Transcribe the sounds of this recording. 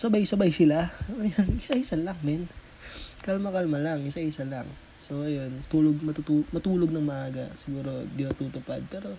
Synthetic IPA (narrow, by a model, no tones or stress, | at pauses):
sɐbajsɐbajsɪlaojanɪsaɪsɐlɐŋmɛn | kɐlmɐkɐlmɐlaŋɪsɐʔɪsɐlaŋ | soʔɐjo̞nt̪uːloɡ̚mɐt̪ut̪uːmɐt̪uːloɡ̚nɐŋmɐʔaːɡɐ̰sɪɡuːɾo̞d̪ɪnɐt̪uːt̪ʊpad̪̚pɛːɾo̞